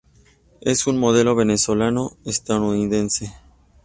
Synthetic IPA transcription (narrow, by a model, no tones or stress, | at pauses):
ḛsunmo̞ðe̞lo̞βe̞neso̞lano̞est̪aðouniðe̞nse